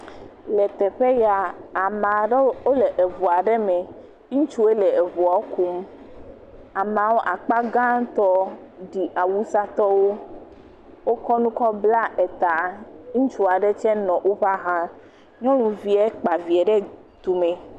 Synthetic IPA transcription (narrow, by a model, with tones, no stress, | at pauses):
lɛ˨t̪ɛ˨ɸe˦ja˨a˨mã˨ɖo˦le˨ʔe˨vu˨a˨ɖɛ˦me˨ | i˦t͡ʃu˦e˦lɛ˨e˨vu˨a˨o˦ku˦m˦ | a˨mã˨wo˦ʔa˨k͡pa˦ɡã˦t̪ɔ˦ɖi˨ʔa˨wu˦sa˦t̪ɔ˦wo˦ | wo˦kɔ˦nũ˦kɔ˦bla˦ɛ˨t̪a˨i˦t͡ʃu˦a˨ɖe˦t͡ʃɛ˦nɔ̃˨ʔo˦ɸa˦ɦã˦ | ɲɔ̃˦nũ˨vi˨ɛ˦k͡pa˨vi˨ɛ˨ɖɛ˦ | t̪u˨mẽ˨